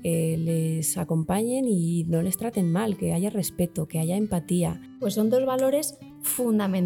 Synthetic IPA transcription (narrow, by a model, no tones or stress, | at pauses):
elesako̞mpaɲe̞nino̞le̞st̪ɾat̪e̞nmalke̞aʝare̞spe̞t̪oke̞aʝaempat̪ia | pwe̞sːo̞nd̪o̞zβalo̞ɾe̞s | fund̪amẽn